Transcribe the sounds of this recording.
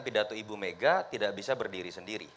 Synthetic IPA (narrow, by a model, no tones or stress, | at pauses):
pidat̪oibumeɡat̪idaʔbisabərdiɾisəndiɾḭ